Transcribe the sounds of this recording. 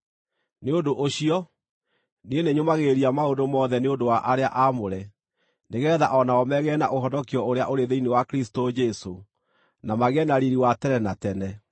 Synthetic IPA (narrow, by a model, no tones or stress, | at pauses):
neodoʔoɕiɔ | nieneɲomaɣeɾiamaondomɔðɛneondowaʔaɾea̰ʔamoɾɛ | neɣɛðaʔɔnaɔmɛɣɛna̰ʔoɦɔdɔkiɔoɾea̰ʔoɾeðeinewakɾisi̥tod͡ʒɛso | namaɣɛnaɾiɾiwatɛɾɛnatɛnɛ